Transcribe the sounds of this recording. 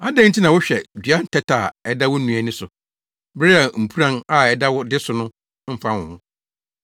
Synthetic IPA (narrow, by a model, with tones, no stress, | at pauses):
a˦dɛ̃˦n̩˦tʰi˦nã˨wʊ˦ɕᶣɛ˨d͡ʑɥa˦n̩˨tʰɛ˦tʰa˨ɛ˨da˦wʊ˦nũ˨æ˨nɪ̃˦sʊ˨ | bɾɪ˦a˨m̩˨pʰu˦ɾã˦na˨ɛ˨da˦wʊ˦dɪ˦sʊ˨nʊ̃˦ | m̩˦fã˦wʊ̃˨hʊ̃˦